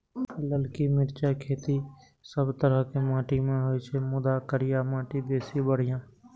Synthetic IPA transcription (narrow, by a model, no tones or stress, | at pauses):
ləlkimɪɾt͡ʃakʰeːt̪i | səbt̪əɾəɦkemãːʈimẽɦoit͡ʃʰemʊd̪akəɾɪjamãːʈib̪eːsibəɽ̤ɪjãː